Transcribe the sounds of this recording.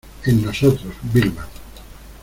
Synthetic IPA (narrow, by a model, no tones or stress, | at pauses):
enːosot̪ɾosbiɾma